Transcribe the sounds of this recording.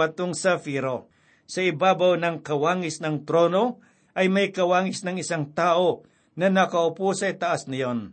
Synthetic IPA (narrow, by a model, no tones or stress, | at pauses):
ɐt̪oŋsɐfiɾo | sɐɪbaːbawnɐŋkɐwaːŋɪsnɐŋt̪ɾoːno̞ | ʔɐjmɐjkɐwaːŋɪsnɐŋɪsaŋt̪aːʔo̞ | nɐnɐkɐʔʊposɐɪt̪ɐʔasnɐjon